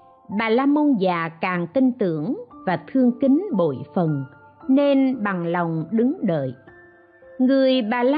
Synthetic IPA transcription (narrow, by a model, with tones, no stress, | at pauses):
ɓaː˨˩laː˧mo˧nzaː˨˩kaː˨˩ŋt̪i˧ŋt̪ɨ̰˧˥˨əŋvaː˨˩t̪ʰɨ˧əŋki˨˦nɓo̰˧˨jfə˨˩n | ne˧nɓa˨˩ŋla˨˩wŋ͡mɗɨ˨˦ŋɗə̰ː˧˨j | ŋɨ˨˩əjɓaː˨˩la˧